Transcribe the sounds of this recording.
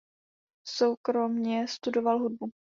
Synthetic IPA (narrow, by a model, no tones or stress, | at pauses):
sowkɾo̞mɲɛst̪udo̞valɦud̚bu